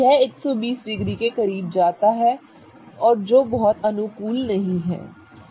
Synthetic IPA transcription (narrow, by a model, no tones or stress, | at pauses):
ɛːɪksɔːbiːsɖɪɡɾiːkeːkəɾiːb̚d͡ʒaːt̪aːɦɛː | ɔːɾd͡ʒoːbɔːt̪ənʊkuːlnəɦĩːɦɛ̰ː